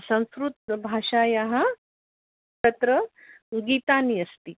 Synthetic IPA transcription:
sə̃w̃skɾut̪̚bʱaʂajaɦa | t͡ʃɐt̪ɾə | ɡiːt̪aniɐst̪i

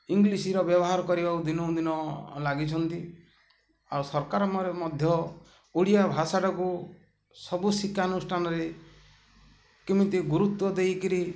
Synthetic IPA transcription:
iŋɡlisiɾɔbjɔbɔɦaɾɔkɔɾibakud̪inɔũd̪inɔlaɡit͡ʃʰɔnt̪i | aɾusɔɾkaɾɔmɔɾemɔd̪ʱjɔ | uɽijabʱasaɽɔku | sɔbusikːanusʈʰanɔɾe | kimit̪iɡuɾut̪wɔd̪ejkiɾi

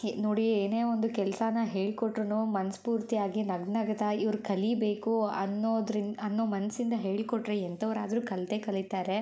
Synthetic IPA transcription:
noːɽieːne̞ːond̪ukɛlɐsɐnɐɦe̞ːɭikoʈːɾunumɐnɐspuːɾt̪ijaːɡinɐɡnɐɡɐt̪ɐiʋɐɾukɐlibe̞ːkuɐnːoːd̪ɾiɐnːoːmɐnɐsind̪ɐɦe̞ːɭikɔʈːɾeɛnt̪ʰɐʋɐɾaːd̪ɐɾuːkɐlt̪ekɐlit̪aːɾe̞

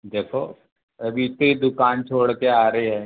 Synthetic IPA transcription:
d̪eːkʰo̰ː | ɐbʱit̪eid̪ʊkaːnt͡ʃʰoːɽkeaːɾɐɦiɦɛ̃ː

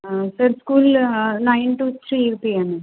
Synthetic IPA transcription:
sɐɾskuːlnɐjnʈut̪ʰɾiɾpiaːnɨ

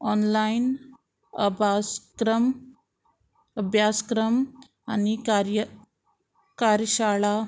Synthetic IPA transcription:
ɔnlain | əbaskɾəm | əbʱjaskɾəm | anikɾjə | kaɾɕaɭa

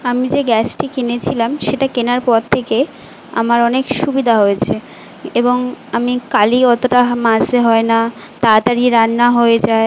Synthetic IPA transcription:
amid͡ʑeɡɛsʈikenet͡ɕʰilamʃeʈakenaɾpɔɾt̪ʰːeke | a̰maɾɔnekʃubid̪ʱaɦoet͡ɕʰe | eboŋamikaliɔt̪oʈamãd͡ʑd̪eɦɔena | t̪at̪aɾiɾanːaɦoed͡ʑae

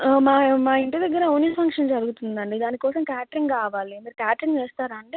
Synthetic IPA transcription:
maːmaːiɳʈid̪ɐɡːɐɾɐoːnipʰɐŋkʂɐnd͡ʒɐɾuɡut̪und̪ɐɳɖid̪aːnikɔːsɐmkaːʈɾiŋɡkaːʋaːlimiːɾukaːʈɾiŋɡʋɛːst̪aːɾɐɳɖi

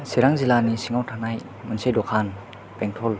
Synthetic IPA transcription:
siɾaŋzilanisiŋawtʰanaj | mɯnsejdɔkʰan | pɛŋtʰɔl

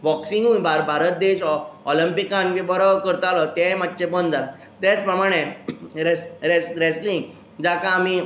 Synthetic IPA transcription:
bɔksĩŋɡuːnbʱaɾbʱaɾət̪̚d̪eɕɔləmpikãnʋibɔɾɔkəɾt̪alət̪ɛ̃mat̪̚ːt͡ɕepənd͡zala | t̪ɛt͡spɾəmaɽ̃eɾesɾesɾeslĩŋɡ | d͡zakaːmi

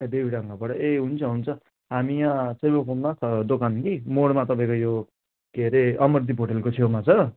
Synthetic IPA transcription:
d̪ebiɽʌŋɡabʌɽʌʔeɦunt͡sʰʌɦunt͡sʰʌ | ɦamiãt͡sʌjbokʰʌnd̪asʌd̪okankimoɽmat̪ʌpãẽkojo | keɾeʌmʌrd̪ipoʈelkot͡sʰewmat͡sʰʌ

